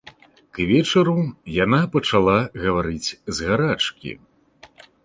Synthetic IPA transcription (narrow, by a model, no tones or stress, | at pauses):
kvʲɛt͡ʂɐɾujanapɐt͡ʂalˠaɣɐvaɾɨt͡sʲzɣaɾat͡ʂkʲḭ